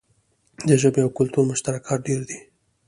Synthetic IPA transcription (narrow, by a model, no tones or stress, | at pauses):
d̪əʒəbeawkʊlt̪uɾmʊʃt̪aɾakʰɑt̪̚ɖeɾd̪i